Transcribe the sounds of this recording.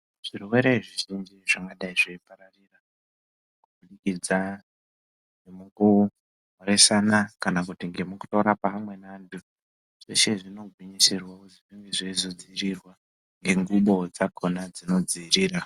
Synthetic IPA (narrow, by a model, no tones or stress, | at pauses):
ʐ̥iruwe̞ɾe̞iʐiʐinziʐaŋɡaɗaiʐeipaɾarira | kuɓuɗikid͡za | nemuku | oɾe̞sanakanakutiŋɡe̞muku̥to̞ɾapaamwe̞naːndu | ʐ̥eʃeʐino̞ɡʱwiɲisirwakuziʐiŋɡeʐeizo̞d͡ziːrirwa | ŋɡe̞ŋɡuɓo̞d͡zakʰo̞nad͡zino̞d͡ziːriːɾa